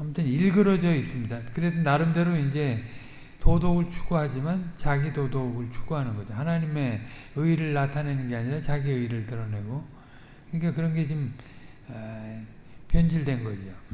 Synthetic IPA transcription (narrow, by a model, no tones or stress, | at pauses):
amtʰɯniɭɡɯɾʌd͡ʑʌis͈ɯmɲidakɯɾe̞s̬ʰʌnaɾɯmde̞ɾoind͡ʑe̞ | todoɡɯɭt͡ɕʰu̥ɡuɦad͡ʑimant͡ɕaɡidodoɡɯɭt͡ɕʰu̥ɡ̥uɦanɯnɡʌd͡ʑohanaɲime̞ɯiɾɯɭːatʰane̞nɯnɡe̞aɲiɾat͡ɕaɡiɯiɾɯɭtɯɾʌne̞ɡo | kɯɲikakɯɾʌnɡe̞t͡ɕom | pjʌnd͡ʑiɭdwe̞nɡʌd͡ʑio